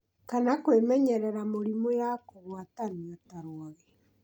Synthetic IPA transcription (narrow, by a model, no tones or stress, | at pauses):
kanakwemɛɲɛɾɛɾamoɾimojakoɣwataniataɾwɔɣɛ